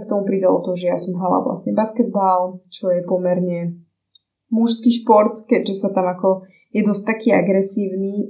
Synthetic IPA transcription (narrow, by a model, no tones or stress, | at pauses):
k̚t̪ɔmupɾid̪alɔ̰t̪ɔʒɛjasɔmɦala̰ʋla̰stɲɛbaskɛd̪̚balt͡ʃɔjɛpɔmɛɾɲɛ | muʃskiːʃpɔɾt̪kɛɟʒɛsat̪amakɔ | jɛd̪ɔsc̚t̪akiːa̰ɡɾɛsiːʊniː